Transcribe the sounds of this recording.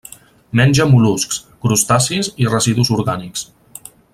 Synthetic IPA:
mɛnʲd͡ʒəmuluskskɾust̪asizirəziðuzuɾɣaniks

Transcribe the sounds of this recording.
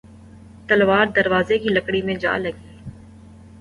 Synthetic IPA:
t̪əlʋaːɾd̪əɾʋaːzekiləkɽiːmẽːd͡ʒa̰ːləɡiː

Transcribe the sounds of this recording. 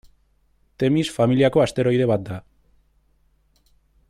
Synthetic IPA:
t̪e̞misfamiliako̞ast̪e̞ɾo̞jðe̞βat̪̚d̪a

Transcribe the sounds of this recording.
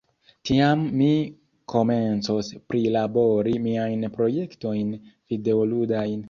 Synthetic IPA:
tiamːi | kʰo̞me̞nt͡sospɾilabo̞ɾimiajnpɾo̞je̞kto̞jnv̥ide̞oludajn

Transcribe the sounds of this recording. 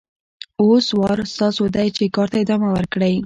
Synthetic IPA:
oswɑɾst̪ɑsod̪ajt͡ʃekɑɾt̪aɪd̪ɑmawəɾkɽəj

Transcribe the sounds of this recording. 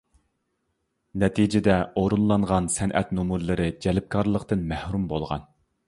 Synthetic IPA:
nɛt̪ʰid͡ʒɪd̪ɛoɾunlˠɑɴʁɑnsɛnʔɛ̰t̪nomuɾlˠɨɾɨd͡ʒɛlɪp̚kʰɑɾlˠəqt̪ɨnmæhɾumbolˠʁɑ̰n

